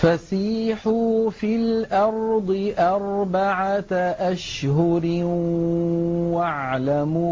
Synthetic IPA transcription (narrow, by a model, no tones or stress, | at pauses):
fasiːħuːfilʔɑɾˤd̪ˤɨʔɑɾˤbaʕaʔaʃhʊɾ | waʕlamuː